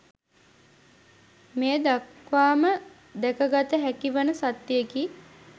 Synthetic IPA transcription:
meːəd̪akʋaːmə | d̪ɛkəɡat̪əɦækiʋənəsat̪ːjeki

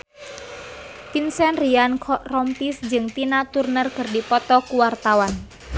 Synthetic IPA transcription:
pinsɛnriankʰɔrɔmpisd͡ʒɨŋt̪inat̪urnərkɨrdipɔt̪ɔkuwart̪awan

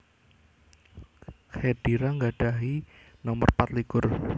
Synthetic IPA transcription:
xed̥iɾaŋɡaɖ̥aɦi | nɔmərpat̪likʊr

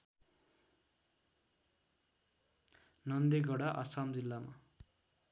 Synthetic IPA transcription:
nʌnd̪eɡʌɽaʔa̰samd͡zilːama̰

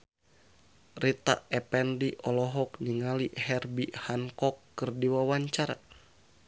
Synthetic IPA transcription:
rit̪a̰ɛpɛndiʔɔlɔɦɔkniŋalihɛrbihaŋkɔkːɨrdiwawaɲt͡ʃaɾa̰

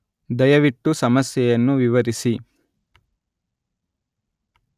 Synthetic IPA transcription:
d̪ɐjɐʋiʈːusɐmɐsjɛjɐnːuʋiʋɐɾisi

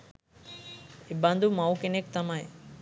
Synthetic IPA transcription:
iband̪ʱumawkenek̚t̪amae

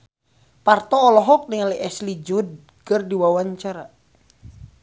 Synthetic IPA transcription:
part̪ɔːlɔɦɔk̚niŋaliʔɛslid͡ʒud̚ | kɨrdiwawaɲt͡ʃaɾa

